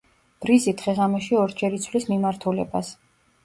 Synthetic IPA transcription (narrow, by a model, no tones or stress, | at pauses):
b̥ɾizit̪ʰχɛʁamɛʃiɔɾd͡ʒɛɾit̪sʰvlismimaɾt̪ʰulɛ̰bas